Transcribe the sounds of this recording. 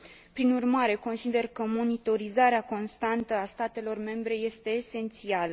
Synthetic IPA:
pɾinurmaɾe̞ko̞nsid̪e̞rkəmo̞nit̪o̞ɾizaɾeako̞nst̪ant̪əast̪at̪e̞lo̞rme̞mbɾe̞je̞st̪e̞ːse̞nt̪sialə

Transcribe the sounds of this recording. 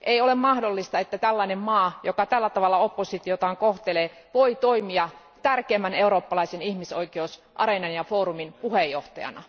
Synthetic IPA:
ʔeiolemmɑhdolːist̪ɑet̪ːæt̪ælːɑinemmɑːjokɑt̪ælːæt̪ɑʋɑlːɑopːosit̪iot̪ɑːŋkoht̪eleːʋoit̪oimiɑ | t̪ærkeːmːæneuroːpːɑlɑisenihmisoikeos | ʔɑ̰renɑnjɑfoːɾuminpuhejːoht̪ɑjɑ̰nɑ̰

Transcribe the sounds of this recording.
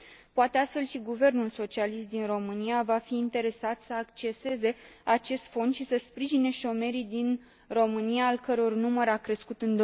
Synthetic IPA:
poat̪e̞ast̪fe̞lʃiɡuve̞rnulso̞t͡ʃialist̪̚d̪inro̞mɨniavafiːnt̪e̞ɾe̞sat̪səakt͡ʃe̞se̞ze̞at͡ʃe̞st̪fo̞nd̪ʃisəspɾiʒine̞ʃo̞me̞ɾid̪in | ro̞mɨnijaːlkəɾeo̞rnuməɾakɾe̞skut̪ɨnd̪o

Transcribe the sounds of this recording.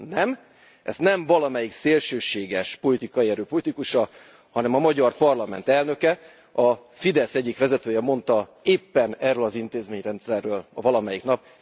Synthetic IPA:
nɛm | ʔɛ̰znɛɱvɒlɒmɛjikseːlʃøːʃeːɡɛʃpo̞lit̪ikɒjiɛɾøːpo̞lit̪ikuʃɒ | hɒnɛmɒmɒɟɒrpɒrlɒmɛ̰nt̪ɛlnø̞kɛ | ɒfid̪ɛsɛɟːikʋɛzɛt̪øːjɛmo̞nt̪ɒeːpːɛnɛrːøːlɒzint̪eːzmeːɲrɛnt̪sɛrːøːlvɒlɒmɛjikn̪ɒp

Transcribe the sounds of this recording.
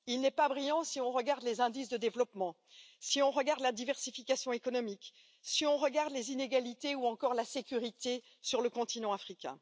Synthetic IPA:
ilnɛpabʁijɑ̃siɔ̃ʁəɡaʁd̪lezɛ̃d̪isd̪əd̪evlɔpmɑ̃ | siɔ̃ʁəɡaʁd̪lad̪ivɛʁsifikasjɔ̃ekɔnɔmik | siɔ̃ʁəɡaʁd̪lezineɡalit̪euɑ̃kɔʁlasekʲyʁit̪e | syʁləkɔ̃t̪inɑ̃afχikʲɛ̰̃

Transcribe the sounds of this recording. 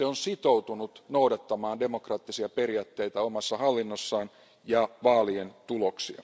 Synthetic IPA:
eonsit̪out̪unut̪noudɑt̪ːɑmɑːnde̞mokrɑːt̪ːisiɑperiɑːt̪ːe̞jt̪æomɑsːɑhɑlːinːosːɑːn | jɑʋɑːlient̪uloksiɑ̰

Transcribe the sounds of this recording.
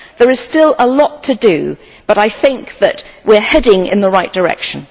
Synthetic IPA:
ðə˞ɨz̥stɪlˠəlɒtʰɨdɨ̰ | b̥ʌɾaɪθɪ̃ŋk̚ðɨ̰ʔ̚wɪɹhɛdɪ̃ŋɪ̰̃nðəɹaɪʔ̚d̥ə˞ɛ̰kʃɨ̃n̩

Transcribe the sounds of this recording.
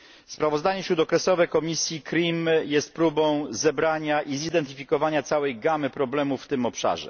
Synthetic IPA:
spɾavɔzd̪aɲɛɕɾud̪ɔkɾɛsɔvɛkɔmʲisʲjikɾʲimjɛst̪̚pɾubɔ̃w̃zɛbɾaɲaʔizid̪ɛnt̪ɘfʲikɔvaɲat̪sawɛjɡamɘpɾɔblɛmufːt̪ɘmɔpʂa̰ʐɛ̰

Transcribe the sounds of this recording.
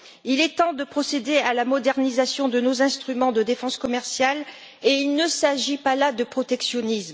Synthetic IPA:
ilɛt̪ɑ̃d̪əpχɔsed̪ealamɔd̪ɛʁnizasjɔ̃d̪ənozɛ̃st̪χymɑ̃d̪əd̪efɑ̃skɔmɛʁsjal | eilnəsaʒipalad̪əpχɔt̪ɛksjɔnism

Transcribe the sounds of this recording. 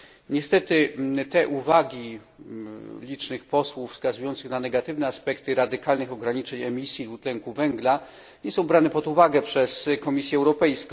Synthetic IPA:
ɲɛst̪ɛt̪ɘt̪ɛʔuvaɡʲi | lʲit͡ʂnɘxpɔswuffskazujɔnt̪sɘxnanɛɡat̪ɘvnɛaspɛkt̪ɘɾad̪ɘkalnɘxɔɡɾaɲit͡ʂɛɲɛmʲisʲjid̪ut̪lɛŋkuvɛŋɡla | ɲɛsɔ̃w̃bɾanɛpɔd̪uvaɡɛpʂɛskɔmʲisʲjɛwɾɔpɛjskɔ̃

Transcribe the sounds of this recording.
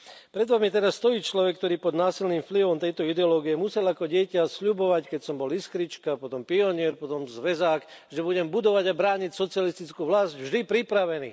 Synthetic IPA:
pɾɛd̪ʋamjɛt̪ɛɾasːt̪ɔjiːt͡ʃlɔʋɛk̚ːt̪ɔɾiːpɔd̪naːsilniːmfliʋɔmt̪ɛjt̪ɔid̪ɛɔlɔːɡijɛmusɛlakɔɟɪɛcasʎubɔʋackɛcsɔmbɔliskɾit͡ʃkapɔt̪ɔmpiɔɲɪɛɾpɔt̪ɔmzʋɛzaːkʒɛbuɟɛmbud̪ɔʋaɟabɾaːɲicsɔt͡sɪalist̪it͡skuːʋlazɟvʒd̪ipɾipɾaʋɛnḭː

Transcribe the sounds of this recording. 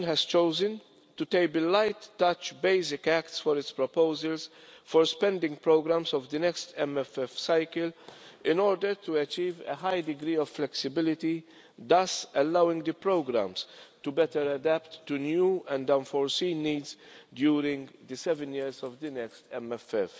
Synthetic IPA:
nɦɛz̥t͡ʃoʊzə̃n | tut̪eɪbllːaɪt̪ːʌt͡ʃbeɪsɪkæktsfɔɾɪtspɹɔpoʊzəlsfɔɾspɛ̃ndɪ̃ŋɡpɾoʊɡɾæ̃msɔvd̪ɨnɛkst̪ɛmɛfɛfsaɪkəlɪ̃nɔːɾdəɾt̪ʰuɛt͡ʃiːvḛɦajd̪ɪɡɾiːɔvflɛksɪbɪlɪt̪i | d̪ɐsɛlːawɪ̃ŋɡd̪əpɾoʊɡɾæ̰̃mst̪ubɛt̪əɾɐd̪æptːunjuːɛ̃ndɐ̃nfɔɹsĩːnːiːdzdjuːɾɪ̃ŋɡd̪ɨsɛvɛ̃njɪɾzɔvd̪ɨnɛkst̪ɛmɛfɛf

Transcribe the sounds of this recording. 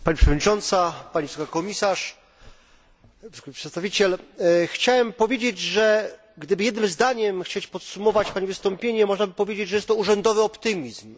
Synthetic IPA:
paɲipʂɛvɔd̪ɲit͡ʂɔnt̪sapaɲivsɔkakɔmʲisaʂ | skpʂɛt̪st̪avʲit͡ɕɛlxt͡ɕawɛmpɔvʲjed͡ʑed͡ʑʐɛ | ɡd̪ɘbɘjɛd̪nɘmzd̪aɲɛmxt͡ɕet͡ɕpɔt̪sumɔvat͡ɕpaɲivɘst̪ɔmpʲjeɲɛmɔʐnabɘpɔvʲjed͡ʑed͡ʑʐɛjɛst̪ːɔuʐɛnd̪ɔvɘɔpt̪ɘmʲizm

